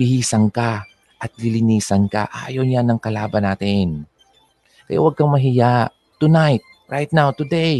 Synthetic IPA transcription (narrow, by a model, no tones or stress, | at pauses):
ihiːsɐŋka | ʔɐt̪̚lɪlɪniːsɐnka̰ʔa̰ːjownjanɐŋkɐlaːbɐnaːt̪ɪn | kɐja̰wɐɡ̚kɐŋmɐɦɪjaʔ | t̪ːʊnajt̪̚ | ɹajt̪̚nawt̪ʊd̪ej